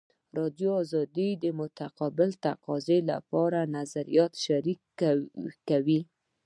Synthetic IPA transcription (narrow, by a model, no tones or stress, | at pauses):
ɾɑd̪joɑzɑd̪id̪əmʊt̪aqɑbɪlt̪aqɑzela̰pɑɾanazaɾijɑt̪ʃaɾik | kːawi